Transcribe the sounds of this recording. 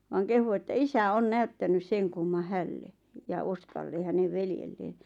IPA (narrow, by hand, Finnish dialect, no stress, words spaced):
ʋɑːŋ kehu etːæ isæ on næytːænys seŋ kumːɑ hælːe jɑ oskɑlːe hæneʋ ʋeljelːeːn